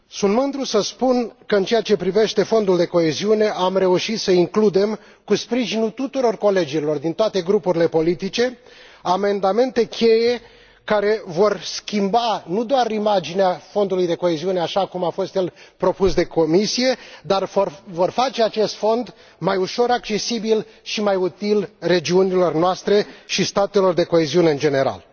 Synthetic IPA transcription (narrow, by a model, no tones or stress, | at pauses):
sunt̪mɨnd̪ɾusəspunkəɨnt͡ʃe̞jat͡ʃe̞pɾive̞ʃt̪e̞fo̞nd̪uld̪e̞ko̞e̞ziune̞ʔamre̞uʃit̪səiŋklud̪e̞m | kuspɾiʒinut̪ut̪uɾo̞rko̞le̞d͡ʒilo̞rd̪int̪oat̪e̞ɡɾupuɾile̞po̞lit̪it͡ʃe̞ | ame̞nd̪ame̞nt̪e̞kʲʰe̞je̞ | kaɾe̞vo̞rskʲimbanud̪oaɾimad͡ʒineafo̞nd̪ulujd̪e̞koe̞ziune̞aʃakumafo̞st̪je̞lpɾo̞pusd̪e̞ko̞misije̞d̪arforvo̞rfat͡ʃe̞at͡ʃe̞st̪fo̞nd̪ | majuʃo̞ɾak̚t͡ʃe̞sibilʃimajut̪ilre̞d͡ʒiunilo̞rnoast̪ɾe̞ʃist̪at̪e̞lo̞rd̪e̞ko̞e̞ziuneɨnd͡ʒe̞ne̞ɾa̰l